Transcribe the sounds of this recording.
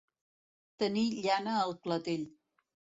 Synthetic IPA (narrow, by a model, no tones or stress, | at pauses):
t̪əniʎanəːlplat̪eʎ